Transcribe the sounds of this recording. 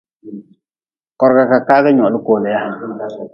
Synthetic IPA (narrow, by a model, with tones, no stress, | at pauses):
kɔ˨ɾka˨ka˨ka˦ka˦ɲɔ˨lu˦ko˨lɛ˨ja˦˨